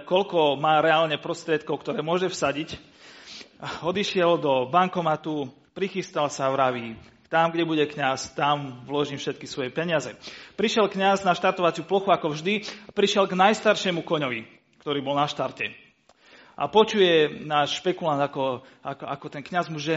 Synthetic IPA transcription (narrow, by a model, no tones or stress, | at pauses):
kɔlkɔmaːɾɛaːlɲɛpɾɔst̪ɾɪɛt̪̚kɔʊkt̪ɔɾɛːmʊɔʒɛfsaɟic | ɔd̪iʃɪɛld̪ɔbaŋkɔmat̪u | pɾixist̪alsavɾaʋi | t̪amɡɟɛbuɟɛkɲast̪amvlɔʒiːmfʃɛt̪̚kisʋɔjɛpɛɲɪazɛpɾiʃjɛlkɲaznaʃt̪aɾt̪ɔʋat͡sɪuplɔxuakɔvʒd̪iapɾiʃɪɛlɡnajst̪aɾʃɪɛmukɔɲɔʋi | kt̪ɔɾiːbɔlnaʃt̪aɾcɛ | ʔa̰pɔt͡ʃujɛnaːʃʃpɛkuland̪akɔ | akakɔt̪ɛnkɲazmuʒɛ